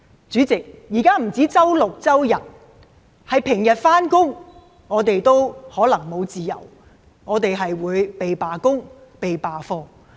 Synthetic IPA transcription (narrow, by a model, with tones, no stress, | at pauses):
t͡syː˨˥t͡sɪ˨k̚jiː˨˩kaː˥m̩˨˩t͡siː˨˥t͡sɐ˥wlʊ˨k̚t͡sɐ˥wjɐ˨˩n | hɐ˨jpʰɪ˨˩ŋjɐ˨t̚faː˥nkʊ˥ŋ | ŋɔː˨˧t̪e˨jt̪o˥whɔː˨˥lɐ˨˩ŋmo˨˧wt͡siː˨jɐ̰˨˩w | ŋɔː˨˧t̪e˨jɦɐ˨jwuː˨˧jpe˨jpaː˨kʊ˥ŋ | pe˨jpaː˨fɔː˧